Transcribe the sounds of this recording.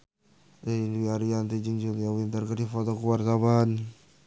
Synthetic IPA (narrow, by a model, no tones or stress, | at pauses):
einwiaɾiant̪id͡ʒiŋd͡ʒuljawint̪ərkədifot̪ɔkuwart̪aban